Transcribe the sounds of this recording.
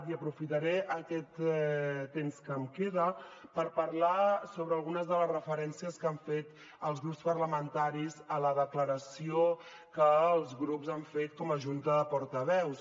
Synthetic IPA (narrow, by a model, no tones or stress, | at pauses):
t̪iəpɾufit̪əɾeʔəkɛt̪ɛt̪ːemskəmkeðəpəɾpəɾlasoβɾəːlˠɣ̞unəzðələzrəfəɾɛnsiəskaɱfet̪ | əlˠzɣɾupspərləmənt̪aɾizələðəkləɾəsio | kəːlˠzɣɾupzaɱfet̪̚kɔməʒunt̪əðəpɔɾt̪əβɛws